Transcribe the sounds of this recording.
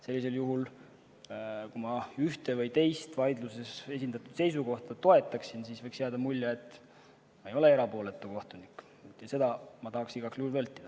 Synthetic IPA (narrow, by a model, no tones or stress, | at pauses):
se̞lʲːis̬e̞ljuɦul | kumɑyht̪evɤjt̪e̞jst̪vɑjd̪luse̞se̞s̬ʲind̪̥ɑt̪ːˑud̪̥se̞jsuko̞ht̪ɑt̪o̞e̞t̪ːˑɑksinsisvɤjksjeɑːd̪̥ɑmulʲːeet̪ːˑ | mɑejo̞le̞e̞ɾɑpo̞ːle̞t̪ːˑuko̞ht̪unik̪ːˑ | ɑse̞d̪̥ɑmɑt̪ɑɦɑksiɡ̥ɑksluhulvɤlt̪ːˑid̪̥ɑ